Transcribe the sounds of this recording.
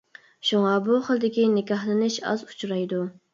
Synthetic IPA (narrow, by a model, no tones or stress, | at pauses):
ʃuŋɑbuχəlˠd̪ɪkʲinɪkʲɑhlˠɨnɪʃɑ̰zu̥t͡ʃʰɾɑjd̪u